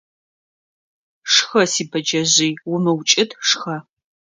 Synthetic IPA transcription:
ʂxɐsiːbɐd͡ʒɐʑiːwʊmɨwt͡ʃʼɪdʂxɐ

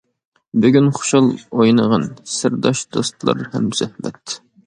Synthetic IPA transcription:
byɡʲynχʊ̥ʃɑlˠojnəʁɑnsɪɾd̪ɑʃd̪ost̪lˠɑ̰ɾhɛmz̥ɛhmɛ̰t̪

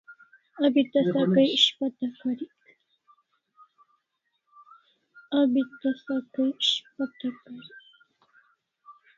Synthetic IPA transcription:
abɪt̪asakajɪʃpat̪akaɾɪk | abɪt̪asakajɪʃpat̪akaɾɪk

